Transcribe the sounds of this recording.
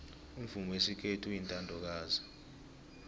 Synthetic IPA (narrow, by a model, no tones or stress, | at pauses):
umvumɔwesikʰetʰujintʼandʱɔk̬aːza